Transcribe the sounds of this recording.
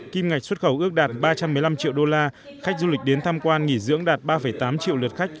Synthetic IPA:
ki˧mŋa˨˩k̟̚swə˦˥t̚xə˧˩wʔɨ˦˥ək̚ɗaː˨˩t̚ɓaː˧t͡ɕa˧mːɨ˨˩jla˧mt͡ɕḭ˧˨wɗo˧laː˧ | xa˦˥jk̟̚zu˧lï˨˩k̟̚ɗe˨˦nt̪ʰaː˧mkwaː˧nŋi˧˩zɨ̰˧˥əŋɗaː˨˩t̚ɓaː˧fə˧˩jt̪aː˨˦mt͡ɕḭ˧əwlə˨˩t̚xa˦˥jk̟̚

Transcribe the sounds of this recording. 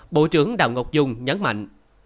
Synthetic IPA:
ɓo̰˧˥t͡ɕɨ˨˦əŋɗa̰ː˧˨wŋə˨˩wk͡p̚zʊ˧ŋ͡mɲə˨˦nma̰˧˨jŋ

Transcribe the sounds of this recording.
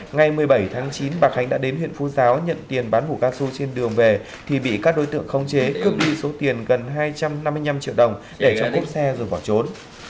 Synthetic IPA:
ŋa˨˩jmɨ˨˩əjɓə˧˩jt̪ʰaː˨˦ŋt͡ɕi˨˦nɓaː˨˩xa˨˦ŋ̟ɗa̰ː˧˥ɗe˨˦nhwḭ˧˨nfu˨˦zaː˨˦wɲə̰˧˨nt̪i˨˩ənɓaː˨˦nmu˧˩kaː˧su˧t͡ɕe˧nɗɨ˨˩əŋve˨˩ | t̪ʰi˨˩ɓḭ˧˨kaː˦˥k̚ɗo˨˦jt̪ɨ̰˧˨ə˨ŋxə˧wŋ͡mt͡ɕe˨˦kɨ˦˥ək̚ɗi˧so˨˦t̪i˨˩ənɣə˨˩nɦaː˧jt͡ɕa˧mna˧mːɨ˧əjɲa˧mt͡ɕḭ˧˨əwɗə˨˩wŋ͡m | ɗe˧˩t͡ɕɔ̰˧˨ku˦˥p̚sɛ˧zo˨˩ɓɔ˧˩t͡ɕo˨˦n

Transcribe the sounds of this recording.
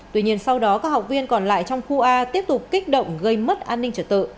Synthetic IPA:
t̪wi˧ɲi˧ənsa˧wɗɔ˨˦kaː˦˥k̚ha˨˩wk͡p̚vi˧ənkɔ˨˩nla̰ː˧˨jt͡ɕɔ˧wŋ͡mxu˧ʔaː˧t̪i˦˥əp̚t̪ʊ˨˩k͡p̚kːi˦˥k̟̚ɗə̰˧˨wŋ͡mɣə˧jmə˦˥t̚ʔaː˧nːi˧ŋ̟t͡ɕəː˧˩t̪ɨ̰˧˨

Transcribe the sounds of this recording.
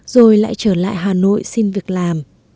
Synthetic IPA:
zo˨˩jla̰ː˧˨jt͡ɕəː˧˩la̰ː˧˨jɦaː˨˩no̰˧˨jsi˧nvi˨˩ək̚laː˨˩m

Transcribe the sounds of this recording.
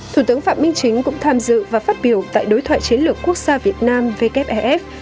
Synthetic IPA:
t̪ʰu˧˩t̪ɨ˨˦əŋfaː˧˨˩mï˧ŋ̟t͡ɕï˨˦ŋ̟kʊ̰˧˥ŋ͡mt̪ʰaː˧mzɨ̰˧˨vaː˨˩faː˦˥t̚ɓi˧˩əwt̪a̰ː˧˨jɗo˨˦jt̪ʰwa̰ː˧˨jt͡ɕi˨˦ənlɨ˨˩əkːu˦˥ək̚z̥aː˧vi˨˩ət̚naː˧mve˧kɛ˦˥p̚ʔɛ˧ʔɛ˦˥p

